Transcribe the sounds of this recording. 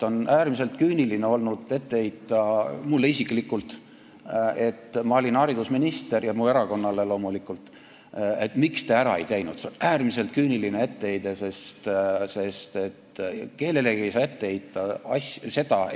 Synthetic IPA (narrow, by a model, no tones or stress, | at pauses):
o̞næːrmis̬e̞lt̪kyːnilineo̞lnud̪̥e̞t̪ːe̞ejt̪ːˑɑmulːeisikˑlikːˑult̪ | e̞t̪ːmɑolʲinɑɾid̪̥usminist̪e̞rjɑmuːe̞ɾɑko̞nːɑle̞lo̞ːmulikːult̪ | et̪ːmikst̪eæɾɑ̰ejt̪e̞jnud̪̥seonæːrmise̞lt̪̚ˑkyːnilinee̞t̪ːe̞ejd̪e̞se̞st̪se̞st̪e̞t̪ke̞ːlele̞ɡiejsɑːet̪ːeejt̪ːˑɑɑsse̞d̪̥ɑ